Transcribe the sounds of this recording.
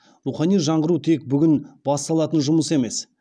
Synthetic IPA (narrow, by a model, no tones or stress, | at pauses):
ɾuχɑnijʒɑɴʁəɾut̪ʰe̞k̚bʏɡʲɪnbɑst̪ɑlˠɑt̪ənʒʊməse̞me̞s